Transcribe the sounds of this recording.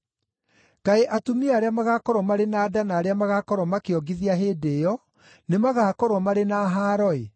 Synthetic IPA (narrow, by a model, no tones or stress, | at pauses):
kaeʔatumiaːɾeamaɣakɔɾwɔmaɾenaːdanaːɾeamaɣakɔɾwɔmakeɔɡiðiaɦeːdeːjɔ | nemaɣakɔɾwɔmaɾenaɦaːɾɔe